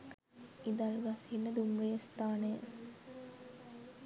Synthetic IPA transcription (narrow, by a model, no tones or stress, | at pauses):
id̪alɡashinːəd̪umɾejəst̪aːnejə